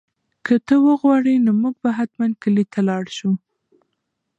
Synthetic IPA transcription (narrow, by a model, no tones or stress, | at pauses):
kʰət̪əwəɣwɑɽinomuɡ̚baɦat̪mand̪̚kəlit̪ʰalɑɽʃu